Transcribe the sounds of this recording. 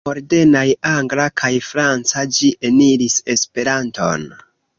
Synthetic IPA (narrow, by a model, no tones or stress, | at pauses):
o̞ɾde̞najaŋɡlakʰajfɾant͡sad͡ʒiʔe̞niɾise̞spe̞ɾanto̞̰n